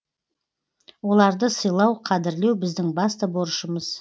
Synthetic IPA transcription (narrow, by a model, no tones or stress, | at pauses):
wo̞lˠɑɾd̪əsəjlˠɑwqʰɑd̪ɪɾle̞wbɪzd̪ɪŋbɑst̪əbo̞ɾʃəməz̥